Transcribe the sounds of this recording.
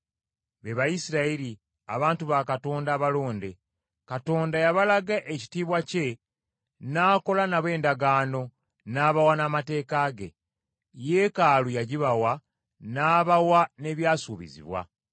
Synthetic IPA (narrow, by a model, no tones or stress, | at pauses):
βe̞βajisiɾaiɾi | a̰βaːntuβakato̞ːndaːβalo̞ːnde̞ | kato̞ːndajaβalaɡaʔeci̥tiːβwace̞ | naːko̞lanaβwe̞ːndaɡaːno̞ | naːβawanamate̞ːkaːɡe̞̰ | je̞kaːlujaɟiβawa | naːβawane̞βjaːsuβḭzḭβwa̰